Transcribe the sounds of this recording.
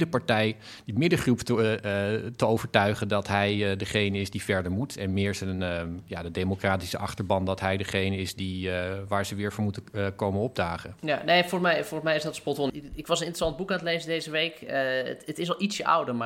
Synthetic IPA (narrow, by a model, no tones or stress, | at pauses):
dəpaɹtɛj | dimɪdəχruptə | təowvəɹtœɥχəndɑtɦɛjdəχejnəɪsdifɛɹdəɹmutʰɛnmɪːɹsənjadədejmokraːtisəɑχtəɹbɑndɑtɦɛjdəχejnəɪsdiʋaːɹzəʋɪːɹvʊɹmutəkowmənɔb̚daːχəjanejfoːɹsmɛjfoːrmɛjɪzdɔtəspɔtonɪkʋɑsənɪntrəsɑnd̚bukaːntəlejzədejzəʋejk | ətɪsɔlˠitsjəʔa̰wdəma